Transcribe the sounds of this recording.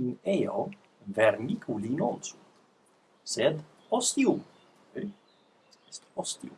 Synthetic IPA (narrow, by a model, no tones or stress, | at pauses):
ineo | veɾnikʰulinonsun | sɛd̪ | ost̪ium | st̪ɔst̪iṵm